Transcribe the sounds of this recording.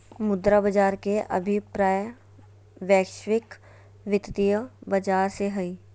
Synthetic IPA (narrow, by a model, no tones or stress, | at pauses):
mʊd̪ɾabəd͡ʒaːɾkeʔɐ̰bʱɪpɾaːj | ʋɛːkʃwɪk | ʋɪt̪t̪ijəbɐd͡ʒaːɾseɦɐiː